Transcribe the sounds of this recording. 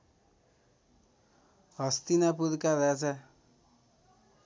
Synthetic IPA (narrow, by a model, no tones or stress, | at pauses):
ɦʌst̪inapud̪kaɾat͡sʰa